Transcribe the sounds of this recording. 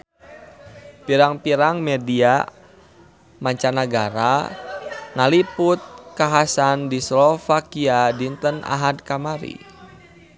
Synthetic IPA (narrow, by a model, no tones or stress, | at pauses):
piɾaŋpiɾaŋmɛdia | maɲt͡ʃanaɡaɾa | ŋaliput̪̚kaɦasandislɔfakiadint̪əna̰ɦad̪kamaɾḭ